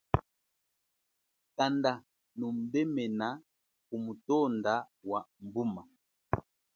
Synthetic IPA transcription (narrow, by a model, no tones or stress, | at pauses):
kanda | num̩bɛmɛna | kumutɔndawambuma